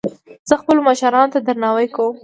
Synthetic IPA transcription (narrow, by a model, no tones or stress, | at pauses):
z̥əxpəlomaʃaɾɑnot̪ad̪aɾnɑwajkawəm